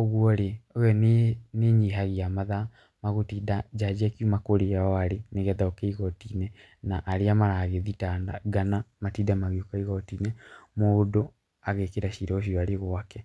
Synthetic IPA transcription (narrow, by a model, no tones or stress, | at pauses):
ɔɣwɔɾeoɛnneɲiɦaɣeamaða | maɣotiːdad͡ʒad͡ʑiakjumakoɾeaɔaɾeneɣɛtaokeiɣɔtinɛ | naʔaɾeamaɾaɣeðitanda̰ɡanamatidamaɣeokaiɣɔtiːnɛmodo | aɣekeɾaɕiɾɔoɕ̬iɔaɾeɣwakɛ